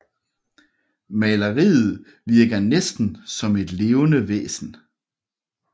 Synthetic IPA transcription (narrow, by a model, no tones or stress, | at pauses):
mælɐʁḭːð̩ˠ | ʋiɐɡ̥ɐnesd̥n̩sɒ̽me̝d̥le̝ːʊnəʋḛːsn̩